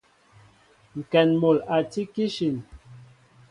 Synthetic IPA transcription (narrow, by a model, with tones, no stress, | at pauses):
ŋ̩˨kɛ˨nmo˨la˨ti˦ki˦ʃi˨n